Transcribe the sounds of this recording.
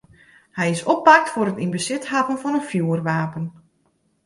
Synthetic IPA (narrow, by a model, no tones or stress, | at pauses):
hɛjɪsopːak̚tfʊɾətinbəsɪthapənfɔnənfjuːərʋaːpən